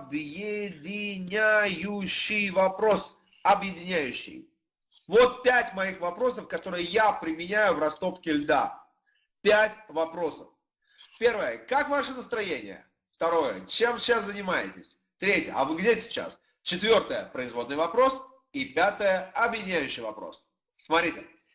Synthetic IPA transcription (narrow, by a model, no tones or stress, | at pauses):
ɐbjɪdʲɪnʲajʊɕːɪjvɐpɾo̞s | ɐbjɪdʲɪnʲæjʉɕːɪ̰j | vo̞t̪̚pʲætʲmɐixvɐpɾo̞səfkɐt̪o̞ɾɨjəjapɾʲɪmʲɪnʲæjʊvrɐst̪o̞pkʲɪlʲd̪a̰ | pʲætʲvɐpɾo̞səf | pʲe̞rvəjəkakvaʂɨnəst̪ɾɐjenʲɪ̰jə̰ | ft̪ɐɾo̞jə̰t͡ɕe̞msʲɪɕaszənʲɪmajɪ̰tʲɪsʲ | t̪ɾʲetʲjə̰ɐ̰vɨɡdʲesʲɪ̥t͡ɕa̰s | t͡ɕɪt̪vʲo̞rt̪əjə̰pɾəɪzvo̞d̪nɨjvɐpɾo̞s | ipʲat̪əjəɐbjɪdʲɪnʲæjʉɕːɪjvɐpɾo̞̰s | smɐt̪ɾʲitʲɪ